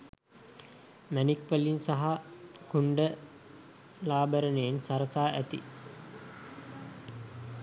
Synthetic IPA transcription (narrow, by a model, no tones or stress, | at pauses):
mænikʋəlinsaɦakuɳɖə | laːbəɾənejensaɾəsaːʔæt̪i